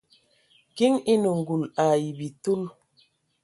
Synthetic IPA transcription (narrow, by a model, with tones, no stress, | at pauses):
ki˦ŋi˦nə˨ŋ˨ɡu˨la˨ji˨bi˨tu˦l